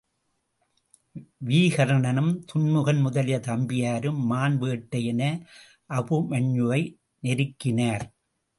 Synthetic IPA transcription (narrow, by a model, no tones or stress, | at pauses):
ʋiːɣɐɾɐɳɐnɯmt̪ʊɳmɯɣɐnmʊðɐlɪjɐt̪ɐmbɪjaːɾɯmːaːnʋeːʈːɐjɛnɐ | ʔɐpɯmɐɲːɯʋɐɪ | nɛɾɯkːɪnaːɾ